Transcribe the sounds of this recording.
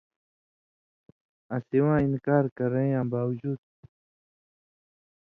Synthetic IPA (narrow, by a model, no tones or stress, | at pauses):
ɐsiwãːinkaːɾkɐɾẽj̃ãːbaːwd͡ʑuːd̪̚